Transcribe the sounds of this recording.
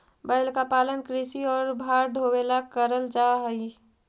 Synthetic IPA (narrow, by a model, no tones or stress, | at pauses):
bəɪlkapaːlənkɾisiɔːɾbʱaːɾɖ̪ʱowelakəɾəld͡ʒaɦəi